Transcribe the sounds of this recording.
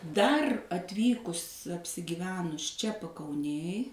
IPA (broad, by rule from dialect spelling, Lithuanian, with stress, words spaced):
ˈdɐr ɐtʲˈʋʲiːkʊs ɐpʲsʲɪɡʲɪˈʋʲæːnʊs ˈt͡ʃʲɛ pɐkɐʊˈnʲeːj